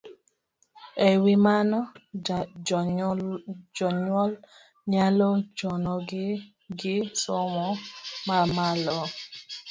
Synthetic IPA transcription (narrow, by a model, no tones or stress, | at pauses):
ewimanɔ | d͡ʒɔɲwɔl | ɲalɔd͡ʒɔnɔɡ | ɡɪsɔmɔmamalɔ